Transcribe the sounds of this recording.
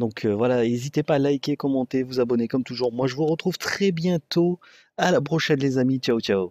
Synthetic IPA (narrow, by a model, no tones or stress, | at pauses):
d̪ɔ̃kʰøvwalaezit̪epaːlajkekɔmɑ̃t̪evuzabɔnekɔmt̪uʒuʁmwaʒəvuʁət̪χuvt̪χɛbjɛ̃t̪o | alapχɔʃɛ̃nlezamit͡ʃaot͡ʃao